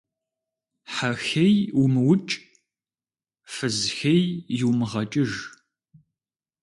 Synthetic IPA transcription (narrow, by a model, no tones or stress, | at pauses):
ħaxejʊmɨwʊt͡ʃʼ | fɨzxejjɪwmɨʁɐt͡ʃʼɪʒ